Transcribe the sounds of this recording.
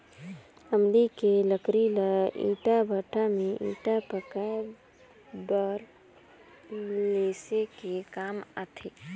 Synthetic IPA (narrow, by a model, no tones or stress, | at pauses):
əmd̪ikeləkɾilaḭːʈabʱəʈamẽʔiːʈapəka | bəɾ | leːsekekaːma̰t̪ʰeː